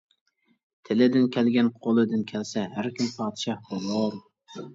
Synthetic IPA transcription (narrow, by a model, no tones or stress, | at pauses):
t̪ʰɪlɪd̪ɪnkʲʰælɡʲænqʰolˠɨd̪ɪnkʲʰælsɛɦæɾkʲʰimpʰɑːt̪ʃɑhbolˠoɾ